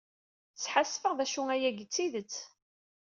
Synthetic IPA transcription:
t͡sːħasfəʁðæʃuæjæʝət͡sːiðət͡sː

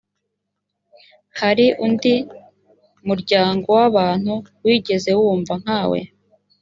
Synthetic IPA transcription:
haɾiʔundi | muɾɟaːŋɡo̞waβaːn̥huwiːɟe̞ze̞wuːɱvaŋ̥haːwḛ

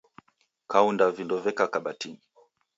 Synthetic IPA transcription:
kaundavindɔvɛkakaɓatini

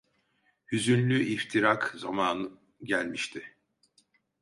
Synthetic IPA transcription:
hyzynlʲyʔift̪ʰiɾakzamaːnɯ | ɟælʲmiʃt̪ʰɪ

